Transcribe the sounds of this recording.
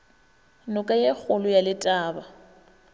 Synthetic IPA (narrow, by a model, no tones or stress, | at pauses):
nʊkʼajek͡xʰʊlʊjalɪtʼaːba